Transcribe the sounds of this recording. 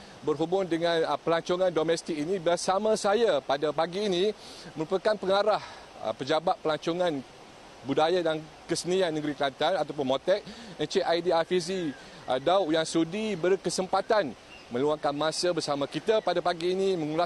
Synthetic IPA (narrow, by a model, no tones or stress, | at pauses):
bərɦubʊŋdəŋãnpəlaɲt͡ʃɔŋãndomɛ̃st̪ɪk̚inibərsamãsajapadapaɡiːnĩ | məɾupakanpəŋaɾah | ə̰pəd͡ʒabat̪̚pəlaɲt͡ʃoŋãn | budajadan | kəsənianːəɡɾiklant̪anat̪ap̬ʊnmõt̪ɛk̚ənt͡ʃeʔajdiafizi | dauʔjaŋsudibərkəsəmpat̪an | mə̃luaŋkanmãsəbərsamãkit̪apadapaɡiːnimə̃ŋula